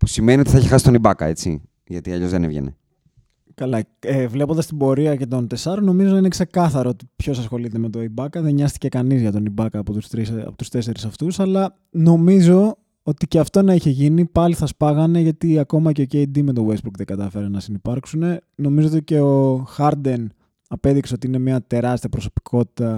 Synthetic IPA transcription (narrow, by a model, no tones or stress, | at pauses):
pusimenio̞t̪iθɐeçexɐsi̥t̪onibɐkɐ̰e̞̰t͡sḭ | ʝɐt̪iɐʎo̞zðenevʝḛnḛ | kɐlɐevle̞pond̪ɐst̪ibo̞ɾiɐce̞t̪o̞nt̪e̞sɐɾono̞mizo̞nɐinekse̞kɐθɐɾoot̪i̥pço̞sɐsxo̞lit̪eme̞t̪o̞ibɐkɐðeɲɐst̪i̥ce̞kɐnizʝɐt̪o̞nibɐkɐːpot̪usɾḭpot̪u̥st̪e̞se̞ɾisɐft̪usɐlɐ | no̞mizo̞ | o̞t̪iceɐft̪o̞nɐiçe̞ʝinipɐliθɐspɐɣɐne̞ʝɐt̪iɐko̞mɐceoceid̪imet̪o̞wesbukðeɡɐt̪ɐfe̞ɾenɐsinipɐɾksune̞no̞mizoot̪ice̞o̞xɐɾd̪en | ɐpe̞ðikseo̞t̪iine̞miɐt̪e̞ɾɐst̪iɐpɾo̞so̞̥pi̥kʰo̞t̪i̥t̪ɐ